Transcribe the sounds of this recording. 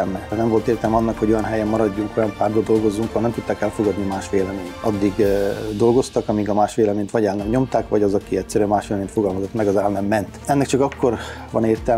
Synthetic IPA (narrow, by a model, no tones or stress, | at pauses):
lmɛnɛɱvo̞lt̪eːrt̪ɛlmɛɒnːɒkhoɟo̞jɒnɦɛjɛmːɒɾɒɟːuŋko̞jɒmpaːrd̪old̪o̞lɡo̞zːuŋkɒlnɛmt̪ut̪ːaːkɛlfo̞ɡɒd̪nimaːʃʋeːlɛmeːnɒ̰d̪ːiɡd̪o̞lɡo̞st̪ɒkɒmiɡɒmaːʃʋeːlɛmeːnt̪ʋɒɟɛlnɛmɲo̞mt̪aːkʋɒɟɒzɒkiɛcsɛɾyɛnmaːʃʋeːlɛmeːnfo̞ɡɒlmɒzo̞t̪ːmɛɡɒzɛlnɛmːɛnt̪ɛnːɛkt͡ʃɒkɒkːo̞rvɒ̰neːrt̪ɛ